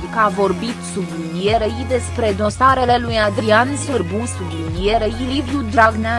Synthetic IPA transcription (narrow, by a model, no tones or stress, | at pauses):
kavo̞rbit̪sublinije̞ɾeid̪e̞spɾe̞d̪o̞saɾe̞le̞lujad̪ɾiansɨrbusublinije̞ɾeilivjud̪ɾaɡna